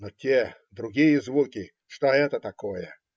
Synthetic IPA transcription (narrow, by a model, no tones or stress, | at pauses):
notʲed̪ɾʊɡʲijəzvukʲɪ | ʂt̪oɛt̪ət̪ɐkojə̰